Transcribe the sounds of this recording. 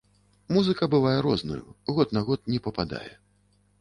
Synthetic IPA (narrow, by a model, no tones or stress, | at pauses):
muzɨkɐbɨvajɛɾɔznṵjṵɣɔt̪naɣɔt̪̚nʲɛpɐpad̪a̰jɛ̰